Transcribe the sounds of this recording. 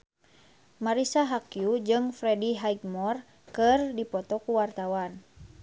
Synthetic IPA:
maɾisaɦakjud͡ʒɨŋfɾɛdiɦajɡmɔr | kɨrdipɔt̪ɔkuwart̪awan

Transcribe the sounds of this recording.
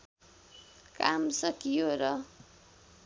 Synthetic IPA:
kamsʌkijoɾʌ

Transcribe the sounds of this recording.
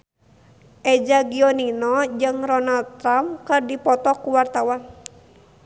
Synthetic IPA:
ʔɛd͡ʒaɡiɔninɔd͡ʒɨŋrɔnalt̪ɾamkɨrdipɔt̪ɔkuwart̪awan

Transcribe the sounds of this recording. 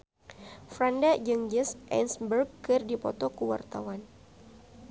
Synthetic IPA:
fɾandad͡ʒɨŋd͡ʒɪsʔɛ̰nsbərɡkɨrdipɔ̰t̪ɔkəwa̰rt̪a̰wan

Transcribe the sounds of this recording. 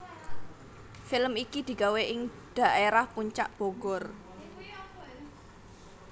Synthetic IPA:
fɪlmikid̪̥i̤ɡaweʔɪŋ | d̪̥a̤ʔeɾahpuɲt͡ʃaʔb̥oɡ̥ɔr

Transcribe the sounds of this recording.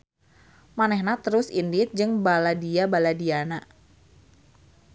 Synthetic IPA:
manɛhnat̪əɾʊsindɪt̪̚d͡ʒɨŋbaladiabaladiana

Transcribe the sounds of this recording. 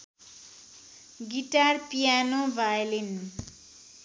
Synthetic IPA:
ɡiʈarpijanobʱajlin

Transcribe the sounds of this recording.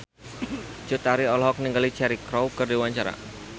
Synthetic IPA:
d͡ʒʊt̪aɾiɔlɔɦɔk̚niŋɡalit͡ʃɛɾikɾɔwkɨrdiwaɲt͡ʃaɾa̰

